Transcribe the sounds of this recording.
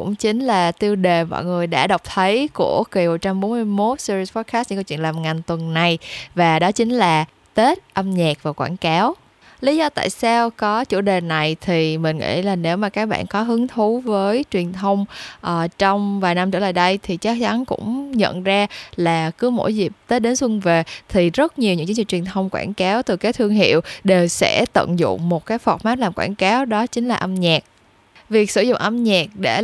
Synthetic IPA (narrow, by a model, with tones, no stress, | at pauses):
kʊ̰˧˥ŋ͡mt͡ɕï˨˦ŋ̟laː˨˩t̪i˧əwɗe˨˩mɔ̰˧˨jŋɨ˨˩əjɗa̰ː˧˥ɗɔ˨˩wk͡p̚t̪ʰə˨˦jku˧˩əki˨˩mo˨˩t̚t͡ɕa˧mɓo˨˦m˧mo˦˥t̚si˧ɾi˧spɔ˦˥t̚kʰa˦˥t̚ɲ̰˧˥kwt͡ɕwḭ˧˨laː˨˩mŋa˨˩ŋ̟t̪wə˨˩nna˨˩jvaː˨˩ɗɔ˨˦t͡ɕï˨˦ŋ̟laː˨˩ | t̪e˦˥t̚ʔə˧mɲaː˨˩k̚vaː˨˩kwaː˧˩nkaː˨˦w | li˨˦zɔ˧t̪a̰ː˧˨jsaː˧wkɔ˨˦t͡ɕu˧˩ɗe˨˩na˨˩jt̪ʰi˨˩mï˨˩ŋ̟ŋḭ˧˥laː˨˩ne˨˦wmaː˨˩kaː˦˥k̚ɓa̰ː˧˨nkɔ˨˦ɦɨ˨˦əŋt̪ʰu˨˦vəː˨˦jt͡ɕwi˨˩ənt̪ʰə˧wŋ͡mʔəː˨˩t͡ɕɔ˧wŋ͡mvaː˨˩jna˧mt͡ɕəː˧˩la̰ː˨˩jɗə˧jt̪ʰi˨˩t͡ɕa˦˥k̚t͡ɕa˨˦nkʊ̰˧˥ŋ͡mɲə̰˧˨nzaː˧laː˨˩kɨ˨˦mo̰˧˥˩jzi˨˩p̚t̪əː˨˦˥ɗe˨˦nswə˧ŋve˨˩t̪ʰi˨˩zə˦˥t̚ɲi˨˩wɲɨ̰˧˥ŋt͡ɕi˨˦ŋvi˧˨˩t͡ɕwi˨˩ənt̪ʰə˧wŋ͡mkwa̰ː˧˩nkaː˨˦wt̪ɨ˨˩kaː˨˦jt̪ʰɨ˧əŋɦḭ˧˨əwɗe˨˩wsɛ̰˧˥t̪ə̰˧˨nzʊ̰˧˨ŋ͡mmo˨˩t̚kaː˨˦jfɔ˨˩k͡p̚maː˦˥t̚laː˨˩mkwaː˧˩nkaː˨˦wɗɔ˨˦t͡ɕï˨˦ŋ̟laː˨˩ʔə˧mɲaː˨˩k̚ | vi˨˩ək̚sɨ˧˩zʊ̰˧˨wŋ͡mʔə˧mɲaː˨˩k̚ɗe˧˩